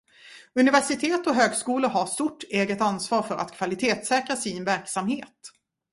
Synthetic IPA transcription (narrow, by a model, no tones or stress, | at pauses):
ɵnɪvæʂɪt̪ʰeːt̪ɔɦøːɡskuːləɾɦast̪ʊʈːeːɡət̪ansvɑːɾfœɾʔa̰t̪kʰvalɪt̪ʰeːt̪sɛːkɾasɪnvæɾksamheːt̪